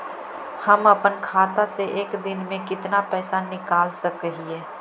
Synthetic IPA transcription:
həməpənkʰaːt̪aseʔeːkd̪ɪnmẽkɪt̪napɛːsanɪkaːlsəkɦieː

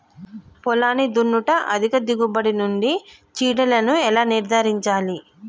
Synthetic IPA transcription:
pɔlaːnid̪unːuʈɐʔɐ̰d̪ʱikɐd̪iɡubɐɽinuɳɖi | t͡ʃiːɽɐlɐnuɛlaːniɾd̪ʱaɾiɲt͡ʃaːli

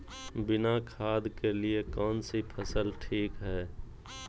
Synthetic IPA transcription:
bɪnakʰaːd̪keliekɔːnsipʰəsəlʈʰiːkɦɛː

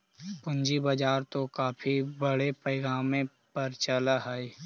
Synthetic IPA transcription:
pʊ̃nd͡ʒibəd͡ʒaːɾt̪okaːpʰibəɽepəɪɡaːmẽ | pəɾt͡ʃəlaɦɛi

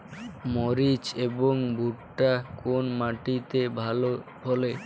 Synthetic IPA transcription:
moɾit͡ɕeboŋbʱuʈːakonmaʈit̪ebʱalobʱole

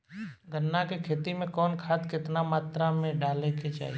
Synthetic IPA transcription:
ɡʱənːakekʰeːt̪imẽkɔːnkʰaːt̪kɪt̪namaːt̪ɾamẽɖaːleket͡ʃa̰ːɦi

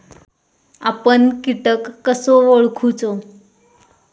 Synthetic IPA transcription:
apəɳkiʈəkːəsoʋoɭkʰut͡so

